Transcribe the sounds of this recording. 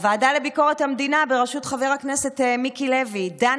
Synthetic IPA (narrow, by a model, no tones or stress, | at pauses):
vaːdalebiko̞ʁethamd̪inabe̞ʁaʃutχave̞ʁaknese̞t̪mikilevida